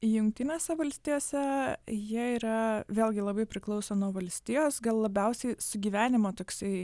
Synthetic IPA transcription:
jʊŋkt̪ʲɪnʲeːsʲɛʋɐlʲsʲt̪ʲijoːsʲɛjiɛiɾɐʋʲeːlʲˠɡʲɪlˠɐbɐɪpʲɾʲɪklˠɐʊsoːnuɔʋɐlʲsʲt̪ʲɪjoːsɡɐlˠlˠɐbʲɛʊsʲɛɪsʊɡʲiːʋʲæːnʲɪmoːt̪oːksɐɪ

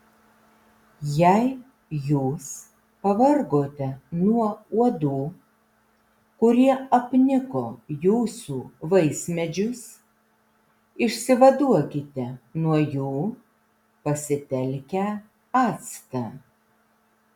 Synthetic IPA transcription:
jɛɪ | juːs | pɐʋɐɾɡoːt̪ʲɛnuɔuɔd̪uː | kʊɾʲiɛɐpʲnʲɪkoːjuːsuːʋɐɪsʲmʲɛd͡ʒʲʊs | ɪʃʲsʲɪʋɐd̪uɔkʲɪt̪ʲɛnuɔjuː | pɐsʲɪt̪ʲɛlʲkʲæː | ɑːt̪st̪ɑː

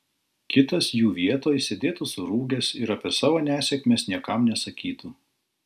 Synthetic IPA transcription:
kʲɪt̪ɐsjuːʋʲiɛt̪oːjsʲed̪ʲeːt̪usʊɾuːɡʲɛsɪɾɐpʲɛsɑːʋoːnʲæːsʲɛkʲmʲeːsnʲiɛkɐmnʲɛsɐkʲiːt̪u

